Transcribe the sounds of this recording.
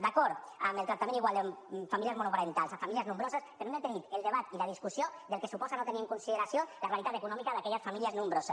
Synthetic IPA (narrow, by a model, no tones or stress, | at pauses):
d̪akɔɾt̪ | amelˠt̪ɾak̚t̪amẽniɣwalˠd̪emfamiliəzmonupaɾent̪alˠzafamiliəznũmbɾozəspeɾnomet̪eðit̪elˠd̪eβ̞at̪ilað̞iskusiod̪elˠkesupɔzanot̪eniəŋkunsiðeɾasjolarealit̪at̪ekunɔmikaðakɛʎəsfamiliəznumbɾosəs